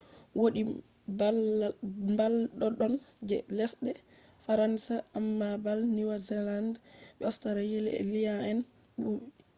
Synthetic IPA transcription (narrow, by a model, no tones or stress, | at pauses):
woɗi | mbalɗɔɗɔnd͡ʒɛlɛsɗɛ | faɾansaamːabalniwazɛlandɓɛɔstaɾajilɛ̰lijaɛn | ɓuɓi